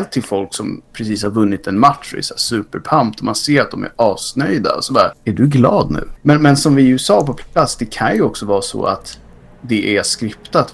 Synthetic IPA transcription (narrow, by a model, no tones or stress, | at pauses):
ɛlt̪ʰːɪlfɔlksɔmpʰɾɛs̬iːshaɾvɵnːɪt̪ɛnmat̪ʂɛ̰sd̪æːsʉ̟ːpəɾpʰamp̚t̪ɔmanseːɾat̪̚d̪ɔmæ̰ɾɑːsnœjd̪a̰ɔ̰sɔd̪æːɾæɖɵɡlɑːd̪nʉ̟ːmɛnmɛnsɔmvɪʉsɑːɾpɔp̪ʰat̪sːd̪ɛkʰanjɵɔksɔvɑːsɔ̰a̰t̪ | d̪ɛʔæskɾɪpt̪at̪